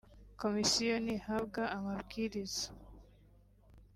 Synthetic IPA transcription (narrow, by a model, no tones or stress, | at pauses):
komisijonihaβɡaːmaβɡiɾizḁ